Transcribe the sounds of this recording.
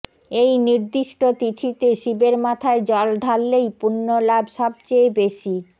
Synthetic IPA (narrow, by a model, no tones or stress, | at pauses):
ejniɾd̪iʃʈot̪it̪ʰit̪eʃibeɾmat̪ʰaed͡ʑɔlɖʱalːejpunːolabʃɔb̚t͡ɕejbeʃi